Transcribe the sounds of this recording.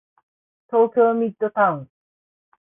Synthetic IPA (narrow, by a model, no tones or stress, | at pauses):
t̪oːkʲoːmʲid̪ːot̪aɯ̃n